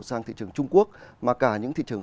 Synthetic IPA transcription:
saː˧ŋt̪ḭ˧˨t͡ɕɨ˨˩əŋt͡ɕʊ˧ŋ͡mku˦˥ək̚maː˨˩kaː˧˩ɲɨ̰˧˥ŋt̪ʰḭ˧˨t͡ɕɨ˨˩əŋ

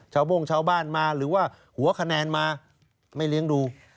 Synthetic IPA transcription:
t͡ɕʰaː˧wbo˥˩ŋt͡ɕʰaː˥˧˩wbaː˥˩nmaː˧ɾɯː˩˦waː˥˩ | hu˨˩˦ɐkʰa˧nɛː˧nmaː˧ | ma˥˩jli˦˥əŋduː˧

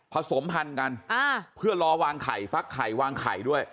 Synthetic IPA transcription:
pʰa˧so˩˦mpʰa˧nka˧nʔaː˧pʰɯ˥˩ɐɾɔː˧waː˧ŋkʰa̰ː˨˩jfa˦˥kʰːaː˨˩jwaː˧ŋkʰa̰ː˨˩jdu˥˩əj

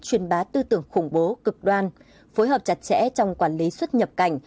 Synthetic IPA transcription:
t͡ɕwi˨˧˩ənɓaː˨˦t̪ɨ˧t̪ɨ˧˩əŋxʊ˧˩ŋ͡mɓo˨˦kɨ˨˩k̚ɗwaː˧n | fo˨˦jɦəː˨˩p̚t͡ɕa˨˧˩t̚t͡ɕɛ̰˧˥t͡ɕɔ˧wŋ͡mkwaː˧˩nli˨˦swə˦˥t̚ɲə˨˩p̚ka˧˩jŋ̟

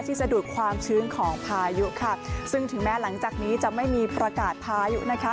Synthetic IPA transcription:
t̪ʰiː˥˩t͡ɕa˧duː˨˩k̚kʰwaː˧mt͡ɕʰɯː˦˥ŋkʰɔː˩˦ŋpʰaː˧ju˦˥kʰa˥˩sɯ˥˩ŋt̪ʰɯ˩˦ŋmɛː˦˥la˩˦ŋt͡ɕaː˨˩k̚niː˦˥t͡ɕa˨˩ma˥˩jmiː˧pɾa˧kaː˨˩t̪̚pʰaː˧jṵ˦˥ʔna˦˥kʰa˦˥

